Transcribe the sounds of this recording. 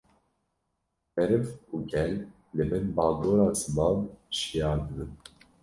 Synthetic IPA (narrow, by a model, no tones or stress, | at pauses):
mɛɾɨvuɡɛlː | ɨbɛnbɑːɡoːɾɑːzɨmɑːnʃijɑːɾd̪ɨbɨn